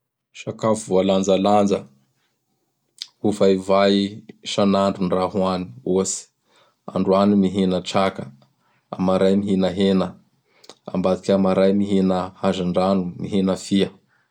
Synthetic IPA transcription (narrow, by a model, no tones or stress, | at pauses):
ʃakafuvualand͡zaland͡zə | hufaivaiʃanaɳɖ͡ʐunraɦuani̥usi̥ | a̰ɳɖ͡ʐuanimiɦinəʈ͡ʂakə | a̰maɾajmiɦinəɦenə | a̰mbat̪i̥kʲamaɾajmiɦinəhazaɳɖ͡ʐanumiɦenəfiə